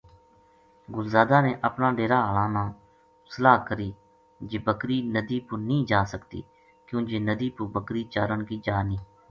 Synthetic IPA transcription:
ɡʊlzaːd̪aːnẽːʔəpnãːɖeːɾaːɦəːlãːnãː | səlaːkəɾiː | d͡ʒeːbəkɾiːnəd̪iːpʊnəĩːd͡ʒaːsəkt̪ḭː | kjõːd͡ʒeːnəd̪iːpʊbəkɾiːt͡ʃaːɾəɳkiːd͡ʒaːniː

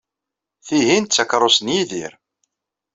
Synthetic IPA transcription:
θiɦint̪ːækɾˤosənjiðḭɾ

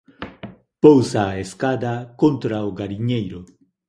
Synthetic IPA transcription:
powsaːeskad̪akont̪ɾaoɣaɾiɲejɾʊ

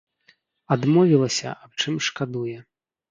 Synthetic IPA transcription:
ad̪mɔvʲilˠɐsʲɐ̰ʔap̚t͡ʂɨmʂkad̪ujɛ

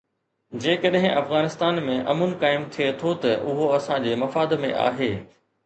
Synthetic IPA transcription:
d͡ʑeːkəɗɦɪ̃ʔɐfɣaːnɪst̪aːnmẽʔɐ̰mʊnkaːɪmt̪ʰijet̪ʰot̪ɐʔʊɦoɐsãd͡ʑeːmɐfaːd̪mḛ̃ʔa̰ːɦeː

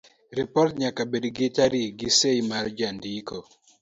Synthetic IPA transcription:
ɾipɔrtɲakabedɡɪt͡ʃaɾiɡisejmaɾd͡ʒandiko

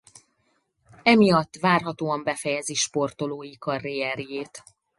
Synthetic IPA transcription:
ɛmijɒt̪ːʋaːrɦɒt̪oːɒmbɛfɛjɛziʃpo̞rt̪o̞loːikɒrːijɛɾjeːt̪

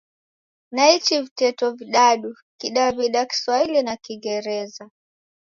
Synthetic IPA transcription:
nait͡ʃivitɛtɔviɗaɗu | kiɗaviɗaki̥swahilinakiŋɡɛɾɛza

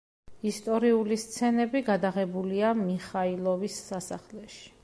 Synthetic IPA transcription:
ist̪ʼɔɾiulist̪sʰɛnɛbiɡad̪aʁɛbuliamiχailˠɔvisːasa̰χlɛʃi̥

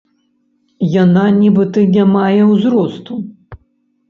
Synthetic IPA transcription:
jananʲibɨt̪ɨnʲamajɛwzɾɔst̪u

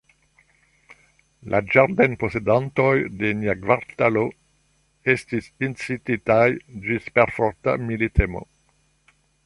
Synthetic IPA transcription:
lʔa̰d͡ʒaɾd̪ɛnposed̪ant̪ojd̪enaɡvaɾt̪alo | est̪isinsit̪it̪ajd͡ʒispɛɾfɔɾt̪a̰milit̪ʰemo̰

